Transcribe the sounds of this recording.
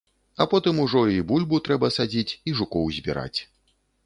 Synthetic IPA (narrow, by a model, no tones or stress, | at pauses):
ɐpɔt̪ɨmuʐɔibulʲbut̪ɾɛbɐsad͡zʲit͡sʲiʐukɔwzʲbʲiɾa̰t͡sʲ